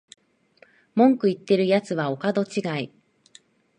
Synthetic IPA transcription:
mõ̞ŋkɯ̟it̪ːe̞ɾɯ̟jat͡sɨβao̞kad̪o̞t͡ɕiɡai

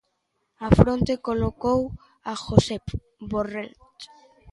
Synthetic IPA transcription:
afɾont̪ekolokow | axosep | borelt̪

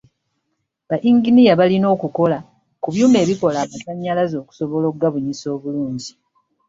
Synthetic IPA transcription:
βaʔiŋɡinijaβalino̞ːkuko̞la | kuβjuːme̞ːβiko̞laːmasaɲːalazo̞ːku̥so̞βo̞lo̞ɡaβuɲiso̞ːβuluːɲɟi

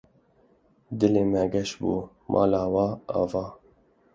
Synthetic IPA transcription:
d̪ɪleːmɛɡɛʃbuː | mʔɑ̰ːlɑːwɑːɑ̰ːvɑː

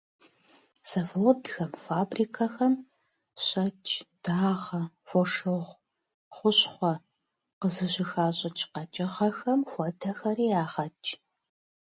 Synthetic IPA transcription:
sɐfordxɐmfaːbriːkʰɐxɐm | ɕʼɐt͡ʃʼd̥aːʁɐ | fɔʂɨʁʷ | χʷʊɕχʷɔ | qəzɨɕɪxaːɕʼɪt͡ʃʰʼqɐt͡ʃʼɐʁɐxɐmxʷɔdʰɐxɐɾiːjaːʁɐt͡ʃʼ

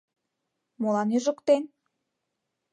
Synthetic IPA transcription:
molɑnyʒə̆kt̪en

